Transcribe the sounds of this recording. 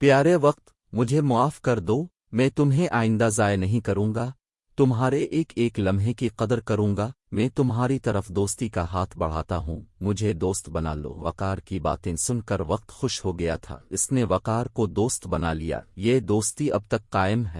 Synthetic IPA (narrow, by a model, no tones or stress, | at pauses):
pjaːɾeʋɐq̚t̪ | mʊd͡ʒʱemʊaːfkɐɾd̪oː | mɛ̃ːt̪ʊmɦẽʔaːɪ̃nd̪azaːjnɐɦĩkɐɾũːŋɡa | t̪ʊmɦaːɾeʔeːkeːklɐmɦekiqɐd̪əɾkɐɾũːŋɡa | mɛ̃ːt̪ʊmɦaːɾit̪ɐɾəfd̪oːst̪ikaɦaːt̪ʰbɐɽ̤aːt̪aɦũːmʊd͡ʒʱed̪oːst̪bɐna̰ːlo̰ːʋɐ̰qaːɾkiba̰ːt̪ẽsʊnkɐɾʋɐq̚t̪xʊʃɦoɡɐja̰t̪ʰa̰ːɪsneʋɐqaːɾkod̪oːst̪bɐna̰lija̰ːjed̪oːst̪iɐb̚t̪ɐkːaːɪmɦɛː